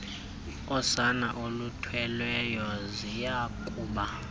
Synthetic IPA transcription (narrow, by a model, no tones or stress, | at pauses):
ɔsanaʔolutʰwɛlwɛjɔzijakʼuːɓa